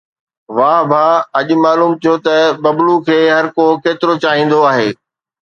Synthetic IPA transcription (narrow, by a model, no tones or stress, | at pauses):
ʋãːbʱãɐʄʊ̆maːluːmt̪ʰijot̪ɐbɐblukʰeːɦɐɾkokeːt̪ɪɾot͡ɕaːɦĩːn̆d̪oaːɦeː